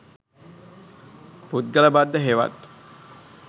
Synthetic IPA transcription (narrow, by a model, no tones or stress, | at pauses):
put̪̚ɡələbad̪ːəɦeʋa̰t̪